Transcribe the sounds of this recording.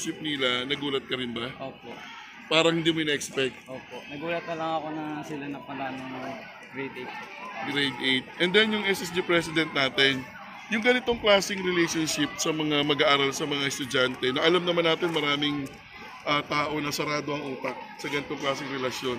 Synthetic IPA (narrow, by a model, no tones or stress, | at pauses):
ʃɪp̚nɪlɐnɐɡuːlɐt̪̚kɐɾɪnbɐʔoːpoʔ | paːɾɐhɪnd̪imʊɪnɐʔɛkspɛk̚t̪̚ʔoːponɐɡuːlɐt̪̚nɐlɐŋɐko̞nɐsɪlanɐpɐɡanɐŋ | ɡɾejd̪et̪̚ɡɾejd̪ʔejt̪̚ʔɛnd̪ɛnjʊŋʔɛsɛs̬d̪ipɹɛsɪd̪ɛnt̪̚naːt̪ɪn | jʊŋɡɐnɪt̪o̞ŋklaːsɪŋɾɪlejʃonʃɪp̚sɐmɐŋamɐɡaʔaːɾalsɐmɐŋaʔɛst̪ʊd͡ʒant̪ɛnɐʔɐlamnɐmanːaːt̪ɪnmɐɾaːmɪŋ | ʔɐt̪aːʔo̞nɐsɐɾaːd̪o̞ʔɐŋʔuːt̪ɐk̚sɐɡɐnɪt̪o̞ŋklaːsɪŋɾɛlɐsjo̞n